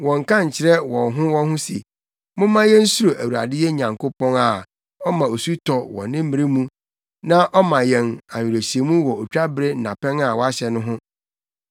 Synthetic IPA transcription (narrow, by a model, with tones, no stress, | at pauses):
wɔ̃˨ŋ˨kʰã˦ɲ̩˨t͡ɕʰɪ˨ɾɛ˦wɔ̃˨ɦʊ̃˦wɔ̃˦nhʊ̃˦sḛ˨ | mʊ̃˦mã˦jɛ̃˦n̩˦su˦o˨ʔæ˨wu˨a̰˨dɪ˦jɛ˦ɲã˨ŋko˦pʰɔ̃˦ŋa˨ | ɔ˦mã˨o˨su˦tʰɔ˨wɔ̰̃˨nɪ̃˦m̩˦mĩ˨ɾi˦mũ˦ | nã˦ʔɔ˦mã˨jɛ̃˨na˨ji˨ɾæ˨ɕi˨e˨mũ˦wɔ˨o˨t͡ɕᶣa˦bɾɪ˦n̩˦nã˨pɛ̃˦ŋa˨wɔ˦a˦ɕɛ˨nʊ̃˦ɦʊ̃˦